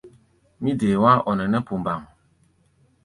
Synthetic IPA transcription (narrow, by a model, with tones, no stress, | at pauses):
mĩ˦deː˨wa˦ʔɔ˨nɛ̃˨nɛ̃˦pu˨m˨ba˨ŋ